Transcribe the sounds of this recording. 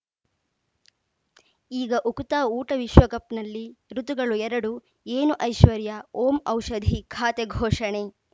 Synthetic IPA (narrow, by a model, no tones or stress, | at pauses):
iːɡɐʔukut̪aːuːʈɐʋiʃʋɐkɐpnɐlːiɾut̪uɡɐɭuɛɾɐɽu | eːnuʔɐjʃʋɐɾjɐoːmɐwʃɐd̪ʱikʰaːt̪eɡʱɔːʂɐɳe